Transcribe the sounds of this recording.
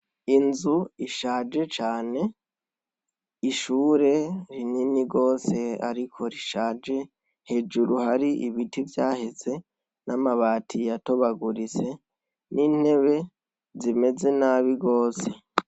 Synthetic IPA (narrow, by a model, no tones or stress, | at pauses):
inzuiʃaːd͡ʒe̞t͡ʃaːne̞ | iʃuːɾe̞ɾininiɡo̞ːse̞a̰ɾikʰo̞ɾiʃaːd͡ʒe̞ | he̞ːd͡ʒuɾuhaɾiʔiβitivjaːheze̞ | namaβaːtʰijato̞βaɡuɾise̞ | niːn̥he̞βe̞ | zime̞ze̞naːβiɡoːse̞